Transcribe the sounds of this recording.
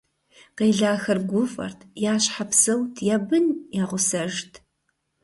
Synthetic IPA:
qeːɮaːxɐrɡʷʊfɐ̰rtʰjaːɕħapsɐwtʰjaːbɨnjaːʁʷʊsɐʒtʰ

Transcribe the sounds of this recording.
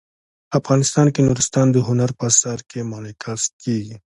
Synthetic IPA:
afɣɑnɪst̪ɑnkenuɾɪst̪ɑnd̪əɦʊnaɾpəsaɾkʰemɑlekʰaskeɡi

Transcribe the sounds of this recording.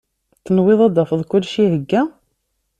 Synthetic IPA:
θənwɪðˤɑd̪ɑfəðˤkʊlːʃiɦəɡːæ

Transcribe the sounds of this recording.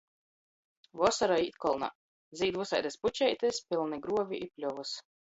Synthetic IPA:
vɔsaɾaiːt̪kɔlˠna̰ | ziːd̪vusa̰jd̪esput͡ʃɛjt̪ɛspʲilˠniɡɾuɔvʲiʔipʲlʲuvɨs

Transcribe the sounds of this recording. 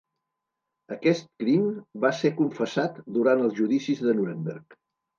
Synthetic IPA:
əkɛst̪̚kɾimbasekuɱfəsat̪d̪uɾanəlˠzʒuðisizðənuɾembɛɾk

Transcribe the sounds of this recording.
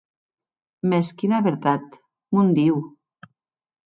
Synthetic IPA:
meskinaβeɾt̪at̪ | mund̪iw

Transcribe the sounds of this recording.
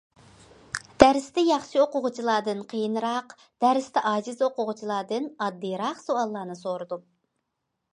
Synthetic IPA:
d̪̥æɾɪst̪ɛjɑχʃioqʊʁʊt͡ʃʰilˠɑːd̪ɨnqʰəjɨnɨɾɑq | d̪̥æɾɪst̪ʰɛʔɑːzɨzoqʊʁʊt͡ʃʰilˠɑːd̪ɨnɑd̪ːɨjɾɑχsoɑlˠːɑːnɨsoɾɨd̪u

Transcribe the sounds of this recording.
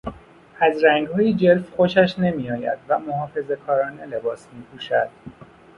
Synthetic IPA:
æzɾæŋɡhɒːjid͡ʒelfxoʃæʃne̞miːjɒːjæ̰d̪væmoɦɒːfe̞ze̞kʰɒːɾɒːnele̞bɒːsmiːpʰuːʃæd̪̥

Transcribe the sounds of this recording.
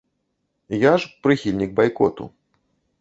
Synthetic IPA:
jaʂpɾɨxʲilʲnʲiɡ̚bajkɔt̪ṵ

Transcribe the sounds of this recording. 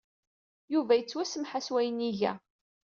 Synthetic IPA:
juvæjət͡sːwæsəmħaswæjəniʝæ̰

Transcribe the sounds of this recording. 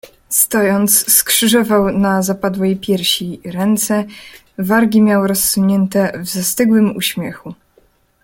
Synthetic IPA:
st̪ɔjɔnt̪sskʂɘʐɔvawnazapad̪wɛjpʲjɛɾɕiɾɛnt̪sɛ | vaɾɡʲimʲjawɾɔsːuɲɛnt̪ɛvzast̪ɘɡwɘmṵɕmʲjɛxu

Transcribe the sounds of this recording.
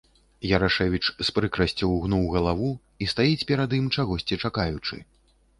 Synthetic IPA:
jɐɾaʂɛvʲit͡ʂspɾɨkɾɐsʲt͡sʲɐwɣnuwɣɐlˠavu | ist̪ajit͡sʲpʲɛɾad̪imt͡ʂaɣɔsʲt͡sʲit͡ʂakajut͡ʂɨ̰

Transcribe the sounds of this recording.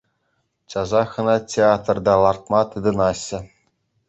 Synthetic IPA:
t͡ɕɑzɑxɤ̆nɑtʲeat̪rd̪ɑlˠɑrt̪̚mɑt̪ɯd̪ɤ̆nɑɕːɘ̆

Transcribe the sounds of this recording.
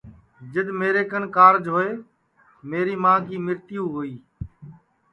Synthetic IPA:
d͡ʒɪd̪meːɾeːkənkaːɾd͡ʒɦoːeː | meːɾiːmãːkiːmɪɾt̪ɪjũːɦoːiː

